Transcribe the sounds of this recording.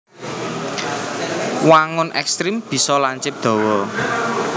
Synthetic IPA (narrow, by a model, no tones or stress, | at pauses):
waŋʊnʔɛ̰kst̪ɾimb̥i̤sɔlaɲt͡ʃɪp̚d̪̥ɔ̤wɔ